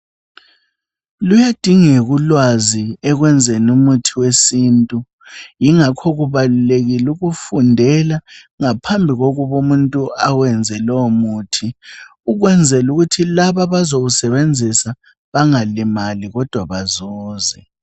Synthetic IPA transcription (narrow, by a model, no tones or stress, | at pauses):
lujad̥ʱiŋɛɣulwaziɛɣwɛnd͡zʱenumutʰiwesiːntʼu | jiŋakʰɔɣuβaluleɣiluɣufundʱɛla | ŋapʰambʱiɣɔɣuβomuntʼuawɛnd͡zʱɛlɔmuːtʰiuɣwɛnd͡zʱɛluɣutʰilaβaβazoɣusɛβend͡zʱisa | βaŋalimaliɣɔd̥ʱwaβazɔːzɛ